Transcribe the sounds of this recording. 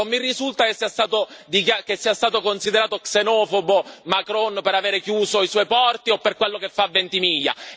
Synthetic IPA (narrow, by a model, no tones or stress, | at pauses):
omːirːizult̪akesːiːast̪aːt̪od̪ikakesːiːast̪aːt̪okonsid̪eɾaːt̪oksenɔːfobomakɾɔnpeɾaveːɾekjuːzoiswɔjpɔrt̪iopːerkwelːokefːavːent̪imiʎːa̰